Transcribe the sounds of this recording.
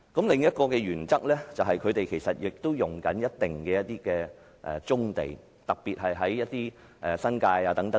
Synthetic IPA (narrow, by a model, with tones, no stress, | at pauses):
kɐ˨˥mlɪ˨ŋjɐ˥t̚kɔː˧kɛː˧jyː˨˩nt͡sɐ˥k̚lɛː˥t͡sɐ˨wɦɐ˨jkʰɵ˨˧t̪e˨jkʰe˨˩jsɐ˨t̚jɪ˨k̚t̪o˥wjʊ˨ŋkɐ˨˥njɐ˥t̚t̪ːɪ˨ŋkɛː˧jɐ˥t̚t̪iː˥kɛː˧ | ʔɛː˨t͡sʊ˥ŋt̪ḛ˨j | t̪ɐ˨k̚piː˨t̚ɦɐ˨jɦɐ˨˥jːɐ˥t̚t̪iː˥ʔɛː˨sɐ˥nkaː˧jaː˧t̪ɐ˨˥ŋt̪ɐ˨˦